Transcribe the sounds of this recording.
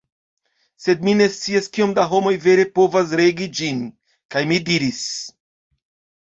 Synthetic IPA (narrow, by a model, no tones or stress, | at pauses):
se̞d̚mine̞st͡siaskio̞mdaɦo̞mo̞jve̞ɾe̞po̞vas̬ɾe̞ɡid͡ʒin | kajmidiɾis